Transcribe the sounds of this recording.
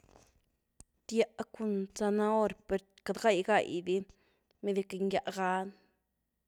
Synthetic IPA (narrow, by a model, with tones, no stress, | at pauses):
t̪ja˧ʔku˧nt͡sa˧na˦o˦ɾpe˧ɾ | ka˧d̪ɡa˦˨jɡa˨jd̪i˦ | me˧d̪i˧ke˧ŋɡja˧ʔɡa˦n